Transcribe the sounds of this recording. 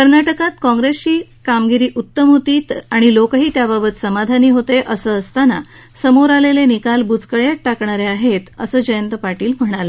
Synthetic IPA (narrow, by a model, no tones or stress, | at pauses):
kəɾnaʈəkat̪kɔ̃ŋɡɾest͡ɕiː | kamɡiɾiːʔut̪ːəmɦot̪iːt̪aɽ̃ilokəɦiːt̪jababət̪səmad̪ʱaniːɦot̪eʔəsəːəst̪ana̰ | səmoɾalelenikalbud͡zkəɭjat̪̚ʈakɳaɾeaɦet̪əsəːd͡ʑəjənt̪əpaʈiːlm̤əɽ̃alə